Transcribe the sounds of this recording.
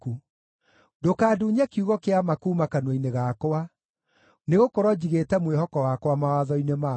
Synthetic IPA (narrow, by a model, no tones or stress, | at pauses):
u | dokaːduːɲakiuɣɔkeamakuːmakanwɔineɣakoa | neɣokoɾɔd͡ʑiɣetɛmwehɔkɔwakwamawaðɔinema